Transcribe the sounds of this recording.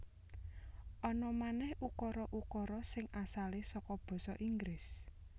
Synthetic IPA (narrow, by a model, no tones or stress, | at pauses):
ʔɔnɔmanɛhukɔɾɔʔukɔɾɔsɪŋʔasalesɔkɔb̥ɔ̤sɔʔiŋɡɾɪs